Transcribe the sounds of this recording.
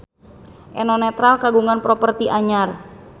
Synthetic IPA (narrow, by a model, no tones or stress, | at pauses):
ʔɛnɔnɛt̪ɾalkaɡuŋanpɾɔpərt̪iʔaɲar